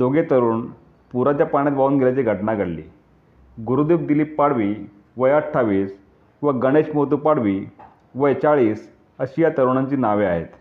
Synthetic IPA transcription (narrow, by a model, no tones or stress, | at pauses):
d͡zoɡet̪əɾuːn | puɾat͡ɕjapaɽ̃jat̪baʋuːnɡʱeljat͡ɕiɡʱəʈnaɡəɽlḭː | ɡuɾud̪iːp̚d̪iliːpːaɽʋiː | ʋəjəʈʰːaʋiːs | ʋəɡəɽ̃eɕmoɦt̪uːpaɽʋiː | ʋəjt͡ɕaɭiːs | əɕijat̪əɾuɳ̃aɲt͡ɕiːnaʋeaɦḛt̪